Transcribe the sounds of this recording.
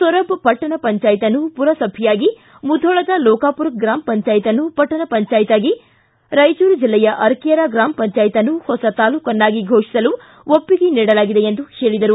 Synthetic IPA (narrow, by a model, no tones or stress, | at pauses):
sɔɾɐbpɐʈːɐɳɐpɐɲt͡ʃaːjit̪ɐnːupuɾɐsɐbʱijaːɡi | mud̪ʱɔːɭɐd̪ɐlɔːkaːpuɾɐk̚ɡɾaːmpɐɲt͡ʃaːjit̪ɐnːupɐʈːɐnɐpɐɲt͡ʃaːjit̪aːɡi | ɾɐjt͡ʃuːɾd͡ʒilːɛjɐʔɐɾkijɐɾɐɡɾaːmpɐɲt͡ʃaːjit̪ɐnːuhɔsɐt̪aːluːkɐnːaːɡiɡʱoːʂi̥sɐlu | ʔopːiɡeniːɽɐlaːɡid̪e̞end̪uheːɭid̪ɐɾu